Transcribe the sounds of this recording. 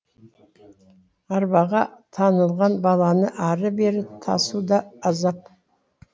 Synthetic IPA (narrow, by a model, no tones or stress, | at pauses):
ɑɾbɑʁɑt̪ʰɑnəlˠʁɑnbɑlˠɑnəʔɑɾəbe̞ɾɪt̪ʰɑ̰sud̪ɑːzɑp̚